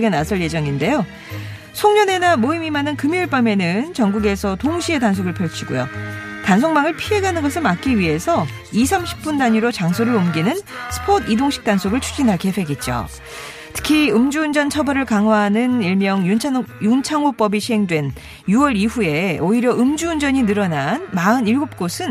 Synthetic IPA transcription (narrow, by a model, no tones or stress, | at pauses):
ɡe̞nasʰʌɭje̞d͡ʑʌŋinde̞jo | sʰoŋɲʌne̞namoimimanɯnkɯmiɯɭp͈ame̞nɯnt͡ɕʌŋɡuɡe̞sʰʌtoŋɕʰie̞tansʰoɡɯɭpʰjʌɭt͡ɕʰiɡojo̰tans̬ʰoŋmaŋɯɭpʰiɦe̞ɡanɯnɡʌsʰɯɭmak͈̚iɥiɦe̞sʰʌ | isʰamɕʰi̥k̚p͈undaɲiɾot͡ɕaŋsʰoɾɯɾomɡinɯnsʰɯ̥pʰodʰidoŋɕʰi̥k̚t͈ansʰoɡɯɭt͡ɕʰu̥d͡ʑinɦakʰepʰe̞ɡit̚t͡ɕ͈o̰ | tʰɯ̥kʰiɯmd͡ʑuːnd͡ʑʌnt͡ɕʰʌbʌɾɯɭkaŋɦwaɦanɯniɭmjʌŋjujunt͡ɕʰaŋop͈ʌbiɕʰiɦe̞ŋdwe̞n | juwʌɾiɸue̞oiɾjʌʔɯmd͡ʑuːnd͡ʑʌɲinɯɾʌnanmaɯniɭɡop̚k͈osʰɯn